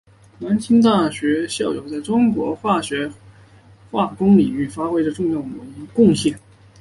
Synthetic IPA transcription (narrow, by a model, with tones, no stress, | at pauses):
na˧˥nt͡ɕʰi˥ŋt̪a˥˩ɕɥɛ˧˥ɕjɑ˥˩ʊjo̰˨˩ʊt͡sa˥˩ɪʈ͡ʂʊ˥ŋkwɔ˧˥xwa˥˩ɕɥɛ˧˥ | xwa˥˩kʊ˥ŋli˨˩y˥˩fa˥xwe˥ɪʈ͡ʂə˨˧ʈ͡ʂʊ˥˧ŋjɑ˥˩ʊmə˧˥ŋ˧kʊ˥˧ŋɕjɛ˥˩n